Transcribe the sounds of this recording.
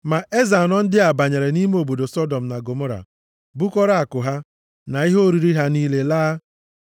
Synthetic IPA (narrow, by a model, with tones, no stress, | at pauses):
ma˨ʔe˦za˨nɔ˦n̩˦dɪ˦a˨ba˨ɲe˨ɾe˨ni˦me˦o˨bo˨do˨sɔ˦dɔ˨m̩˨na˨ɡo˨mo˦ɾa̰˨ | bu˦kɔ˦ɾa˦a˨kʊ˨ɦa˦ | na˨i˦ɦo˦ɾi˦ɾi˦ɦa˦niː˦le˦laː˦